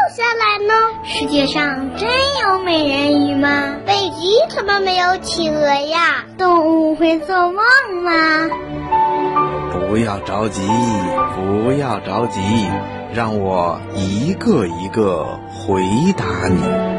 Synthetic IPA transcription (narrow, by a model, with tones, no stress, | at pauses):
o˥˩ʊɕja˥˩la˧˥ɪnə˧ʂɻ̩˧˥t͡ɕjɛ˥˧ʂɑ˥˧ŋʈ͡ʂə˥njo˧˥ʊme˨˩ɪɻə˧˥ny˨˩mɐ˧pe˨˩ɪt͡ɕi˧˥t̪ʰə˧˥mə˧˨me˧˥ɪjo˧˥ʊt͡ɕʰi˨˩ə˧˥ja˥˧t̪ʊ˥˧ŋu˥˩xwe˥˧ɪt͡swɔ˥˧wɑ˥˩ŋmɐ˧ | pu˧˥jɑ˥˩ʊʈ͡ʂɑ˧˥ʊt͡ɕi˧˥˩pu˧˥jɑ˥˩ʊʈ͡ʂɑ˧˥ʊt͡ɕi˧˥i˥˩ | ɻɑ˥˩ŋwɔ˨˩˦ | i˧˥ɡə˥˧˩i˧˥ɡə̰˧˩ | xwe˧˥ɪt̪a˧˥ni˨˩˦